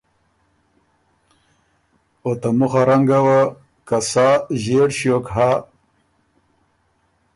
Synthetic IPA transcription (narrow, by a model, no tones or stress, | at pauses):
ot̪amuχaɾaŋɡawa | kɐsaːʑeɽɕjokɦa